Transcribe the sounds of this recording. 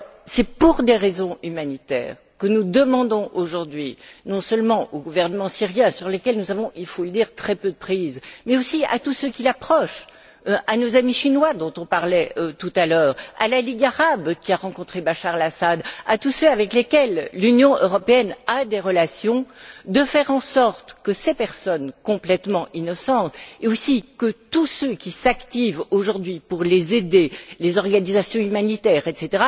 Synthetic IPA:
sɛpuʁd̪eʁezɔ̃ymanit̪ɛ̰ːʁ | kənud̪əmɑ̃d̪ɔ̃ʔoʒuʁd̪ɥinɔ̃sœlmɑ̃ʔoɡuvɛʁnəmɑ̃siʁjɛ̃syʁlekʲɛlnuzavɔ̃ʔilfoləd̪iʁt̪χɛpød̪əpχizmɛosia̰t̪usøkʲilapχɔʃ | ʔanozamiʃinwad̪ɔ̃t̪ɔ̃paʁlɛøt̪ut̪alœːʁa̰laliɡaʁabkʲiaʁɑ̃kɔ̃t̪χebaʃaʁlasad̪at̪usøavɛklekʲɛlːynjɔ̃ʔø̰ʁɔpeɛnad̪eʁəlasjɔ̃d̪əfɛʁɑ̃sɔʁt̪kəsepɛʁsɔnkɔ̃plɛt̪mɑ̃ʔinɔsɑ̃t̪eosikət̪usøkʲisakt̪ivoʒuʁd̪ɥipuʁlezed̪elezɔʁɡanizasjɔ̃ymanit̪ɛʁɛt̪set̪eʁa

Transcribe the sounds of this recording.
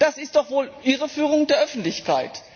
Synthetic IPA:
d̥asɪstd̥ɔχv̥oːlʔiːʁəfyːʁ̞ʊŋdeːɐʔœfn̩tlɪçka̰ɪt

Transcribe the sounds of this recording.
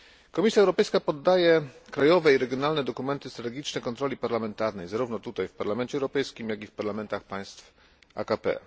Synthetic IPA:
kɔmʲisʲjaɛwɾɔpɛjskapɔd̪ːajɛkɾajɔvɛiɾɛɡʲjɔnalnɛd̪ɔkumɛnt̪ɘst̪ɾat̪ɛɡʲit͡ʂnɛkɔnt̪ɾɔlʲipaɾlamɛnt̪aɾnɛjzaɾuvnɔt̪ut̪ajfpaɾlamɛnt͡ɕɛwɾɔpɛjskʲimjaɡʲifpaɾlamɛnt̪axpaj̃st̪f | a̰kapɛ̰

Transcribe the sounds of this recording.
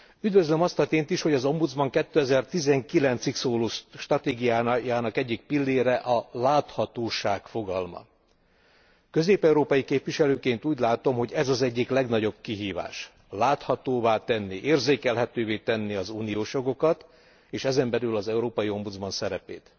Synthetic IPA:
yd̪vø̞zlømɒst̪ɒt̪eːnt̪iʃho̞ɟɒzo̞mbud̪zbɒŋkɛt̪ːøɛzɛrt̪izɛŋkilɛnt̪siksoːloːʃt̪rɒt̪eːɡijaːjaːnɒkɛɟːik̚pilːeːɾɛʔɒlaːt̪hɒt̪oːʃaːkfo̞ɡɒlmɒ̰ | kø̞zeːpɛuɾoːpɒjikeːpʋiʃɛløːkeːnt̪uːɟlaːt̪o̞mɦo̞ɟɛzɒzɛɟːiklɛɡnɒɟo̞b̚kiɦiːva̰ːʃ | laːt̪hɒt̪oːvaːt̪ɛnːiʔeːrzeːkɛlɦɛt̪øːveːt̪ɛnːiɒzuːnijoːʃjo̞ɡo̞kɒt̪ | eːʃɛzɛmbɛlylɒzɛuɾoːpɒjio̞mbud̪zbɒnsɛɾɛ̰pḛːt̪

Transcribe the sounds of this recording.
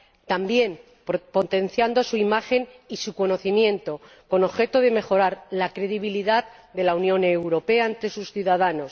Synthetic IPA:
t̪ambje̞m | po̞t̪e̞n̟θjand̪o̞suimaxe̞nisuko̞no̞θimjẽ̞nt̪o̞ | ko̞no̞βxe̞t̪oðe̞me̞xo̞ɾaɾlakɾe̞ðiβ̞iliðað | d̪e̞launjõ̞ne̞wɾo̞pe̞aent̪ɾe̞susθjuðaðano̞s

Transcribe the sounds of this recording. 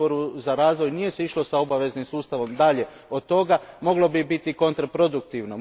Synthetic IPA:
oɾuzaɾaːzʋo̞jnije̞seiʃlo̞sao̞baʋe̞znimsuːst̪aʋo̞md̪aʎe̞ | od̪̚t̪o̞ɡamo̞ɡlo̞bibit̪iko̞nt̪ɾapɾo̞d̪ukt̪iʋno

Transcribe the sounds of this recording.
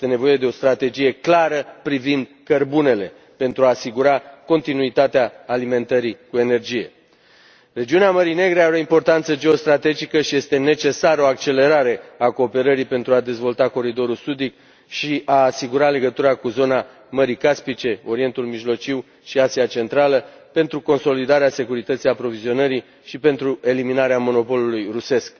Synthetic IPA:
jest̪ene̞vo̞je̞d̪e̞o̞st̪ɾat̪e̞d͡ʒije̞klaɾəpɾivind̪kərbune̞le̞ | pe̞nt̪ɾuaːsiɡuɾako̞nt̪inuit̪at̪eaːlime̞nt̪əɾikue̞ne̞rd͡ʒije̞̰ | re̞d͡ʒiuneaməɾine̞ɡɾeaveo̞impo̞rt̪ant̪səd͡ʒeo̞st̪ɾat̪e̞d͡ʒikəʃije̞st̪e̞ne̞t͡ʃe̞saɾəo̞ak̚t͡ʃe̞le̞ɾaɾe̞ako̞ːpe̞ɾəɾipe̞nt̪ɾuad̪e̞zvo̞lt̪ako̞ɾid̪o̞ɾulsud̪ik̚ | ʃiʔaːsiɡuɾale̞ɡət̪uɾakuzo̞na | məɾikaspit͡ʃe̞o̞ɾie̞nt̪ulmiʒlo̞t͡ʃiw | ʃiasiat͡ʃe̞nt̪ɾaləpe̞nt̪ɾuko̞nso̞lid̪aɾease̞kuɾit̪ət̪sijapɾo̞vizio̞nəɾi | ʃipe̞nt̪ɾue̞liminaɾeamo̞no̞po̞lulujruse̞sk

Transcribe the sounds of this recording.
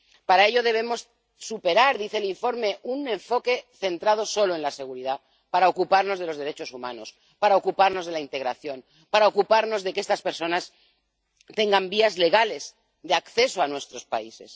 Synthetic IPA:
paɾae̞ʎo̞ð̞e̞β̞e̞mo̞s | supe̞ɾaɾðiθeliɱfo̞ɾme̞ʔunẽ̞ɱfo̞ke̞θe̞nt̪ɾað̞o̞so̞loe̞nlase̞ɣ̞uɾiða | paɾaokupaɾno̞zðelo̞zðeɾe̞t͡ʃo̞sumano̞s | paɾaokupaɾno̞zð̞e̞laint̪e̞ɣɾaθjo̞n | paɾaokupaɾno̞zðe̞ke̞st̪aspeɾso̞nas | t̪eŋɡambiazle̞ɣ̞ale̞s | ðeakθe̞soanwe̞st̪ɾo̞spa̰ise̞̰s

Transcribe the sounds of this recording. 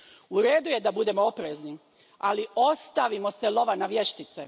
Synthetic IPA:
uɾeːd̪uje̞d̪abud̪e̞moopɾezni | alio̞st̪aʋimo̞se̞lo̞ʋanaʋje̞ʃt̪it̪se

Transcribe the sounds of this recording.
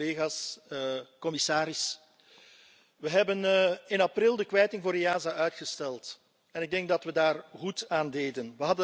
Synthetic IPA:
eːɣaːs | kɔmɪsaːɾɪs | ʋəɦɛbənɪnɑprɪlˠdəkʋɛjtɪŋvoːɾijaːzaœɥtxəstɛlˠt | ɛnɪɡ̚dɛŋk̚dɑtʋədaːrɣutaːndeːdənʋəɦɑdə

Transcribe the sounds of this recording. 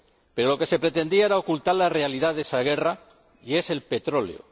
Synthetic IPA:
pe̞ɾo̞lo̞ke̞se̞pɾet̪e̞nd̪iaeɾao̞kult̪aɾlare̞aliðaðesaɣ̞e̞ra | ie̞se̞lpe̞t̪ɾo̞lḛo̰

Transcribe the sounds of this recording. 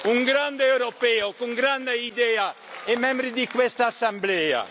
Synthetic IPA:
uŋɡɾand̪ewɾopɛokuŋɡɾand̪eid̪ɛa | ɛmɛ̃mbɾid̪ikwɛst̪aːsamblɛa̰

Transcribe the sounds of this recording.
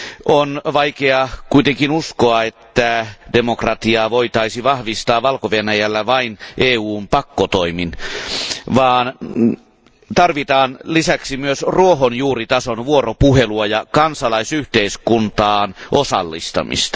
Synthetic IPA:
ʔonʋɑikeɑkuit̪eŋkinuskoɑet̪ːædemokrɑt̪iɑːʋoit̪ɑisiʋɑhʋist̪ɑːʋɑlkoʋenæjælːæʋɑinʔeːuːmpɑkːot̪oimin | ʋɑːn | t̪ɑrʋit̪ɑːnlisæksimyøsruoɦonjuːrit̪ɑsonʋuoropuheluɑjɑkɑnsɑlɑisyht̪eiskunt̪ɑːnʔosɑ̰lːḭst̪ɑ̰mḭst̪ɑ̥

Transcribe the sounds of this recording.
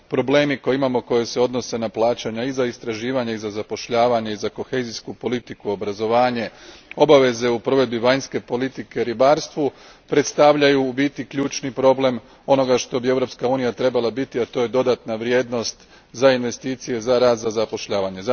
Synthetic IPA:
pɾo̞ble̞ːmiko̞jiimamo̞ko̞jese̞o̞d̪nose̞naplˠaːt͡ɕaɲaizaist̪ɾaʒiːʋaɲaizazapo̞ʃʎaːʋaɲeizako̞xe̞ziskupo̞lit̪ikuo̞bɾazo̞ʋaːɲe̞o̞baʋe̞ze̞upɾo̞ʋe̞d̪biʋaɲske̞po̞lit̪ike̞ɾibaːɾst̪ʋu | pɾe̞t̪st̪aʋʎajubit̪ikʎuːt͡ʃnipɾo̞ble̞m | o̞no̞ɡaʃt̪o̞bie̞vɾo̞pskauːnijat̪ɾe̞balˠabit̪iat̪o̞je̞d̪o̞d̪at̪naʋɾje̞ːd̪no̞st̪ | zainʋe̞st̪iːt̪sije̞zaɾaːt̪zazapo̞ʃʎaːʋaɲeza

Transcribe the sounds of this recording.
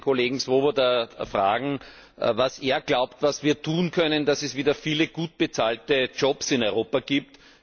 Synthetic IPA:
kʰoleːɡŋ̩sʋoːvodafʁa̰ːɡŋ̩ | vaseːɐɡ̥laʊptvasviːɐtʰuːnkʰœnəndasɛsviːdɐfiːləɡ̥uːt̚b̥ət͡saːltət͡ʃɔpsɪnɔʏʁoːpaɡ̥iːp̚t

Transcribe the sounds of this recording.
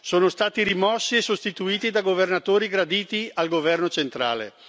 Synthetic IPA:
soːnost̪aːt̪iɾimɔsːiesost̪it̪uiːt̪id̪aɡovernat̪oːɾiɡɾad̪iːt̪ialɡovɛrnot͡ʃent̪ɾa̰ːlḛ

